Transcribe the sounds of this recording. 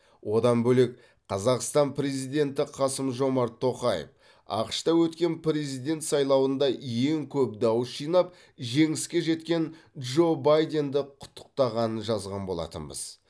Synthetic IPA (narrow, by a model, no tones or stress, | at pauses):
wo̞d̪ɑnbɵle̞k̚ | qʰɑzɑqst̪ɑnpʰɾe̞zijd̪e̞nt̪ɪqʰɑsəmʒo̞mɑɾt̪ʰːo̞qɑjḛf | ɑ̰qə̥ʃt̪ɑwɵt̪kʲe̞npɾe̞zijd̪e̞nt̪sɑjlˠɑwənd̪ɑje̞ŋkʲʰɵp̚d̪ɑwəsʒijnɑp̚ | ʒe̞ŋɪskʲe̞ʒe̞t̪kʲe̞nʒo̞bajd̪e̞nd̪ɪqʰʊ̥t̪ʰːə̥q̚t̪ɑʁɑnənʒɑzʁɑnbo̞lˠɑ̰t̪əmbə̰z̥